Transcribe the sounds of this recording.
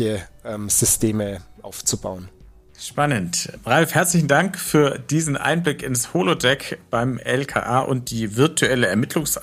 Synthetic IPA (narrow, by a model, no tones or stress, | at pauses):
əʔɛmz̥ʏstʰeːməʔa̰ʊft͡suba̰ʊən | ʃpanəntb̥ʁalfhɛɐt͡slɪçn̩daŋkfyːɐd̥iːzn̩ʔa̰ɪnblɪkɪnshoːlodɛkb̥aɪmɛlkʰa̰ːʔaːʔʊ̰nt̚d̥iːvɪɐtʰuɛləɛɐmɪtʰlʊŋs